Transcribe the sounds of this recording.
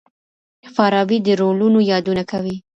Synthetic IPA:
faɾɑbid̪əɾolunojɑd̪unakawi

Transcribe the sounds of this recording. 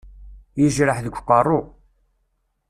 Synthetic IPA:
jəʒɾəħðəɡʷqːɑrˤːʊ

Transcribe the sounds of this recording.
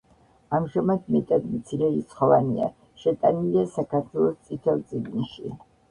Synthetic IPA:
amʒamad̪mɛt̪ʼad̪mt̪sʰiɾɛit̪sʰχɔvania̰ | ʃɛt̪ʼaniliasakʰaɾt̪ʰwɛlˠɔst̪sʼit̪ʰɛlˠt̪sʼiɡniʃi

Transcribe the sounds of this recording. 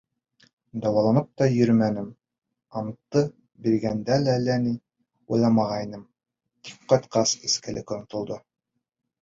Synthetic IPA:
d̪ɑwɑlˠɑnɤp̚t̪ɑjɵ̆ɾmænɘm | ɑmt̪ːɤ | biɾɡænd̪ælælæni | ujlˠɑmɑʁɑjnɤm | t̪ip̚qɑjt̪qɑseskælɘ̰kŏnt̪ŏlˠd̪ɤ

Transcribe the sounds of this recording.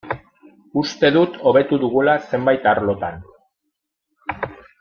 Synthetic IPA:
ust̪e̞ðut̪ʰo̞β̞e̞t̪uðuɣulase̞mbajt̪aɾlo̞t̪an

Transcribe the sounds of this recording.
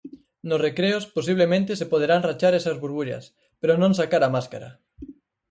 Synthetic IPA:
nʊsrekɾeospos̬iβ̞lemẽnt̪esepoð̞eɾanrat͡ʃaɾesɐzβuɾβuʎɐ̰s | peɾonõŋsakaɾamaskaɾɐ̰

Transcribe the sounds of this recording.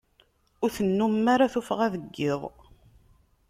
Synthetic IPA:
ʊɾθənːumːaɾaθufʁaðəɡːɪðˤ

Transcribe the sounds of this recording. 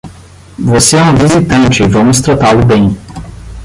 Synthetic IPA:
voseɛũvizit̪ɐ̃nt͡ʃɪvɐ̃mʊst̪ɾat̪alʊbẽj̃

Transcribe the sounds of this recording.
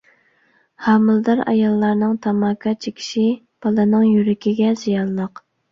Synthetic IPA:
hɑmɨlˠd̪ɑɾɑ̰jɑlˠːɑɾnɨŋt̪ʰɑmɑkʰɑt͡ʃʰikʲʰi̥ʃi | b̥ɑlˠɨnɨŋjyɾɪkʲiɡʲɛz̥ijɑnlˠəq

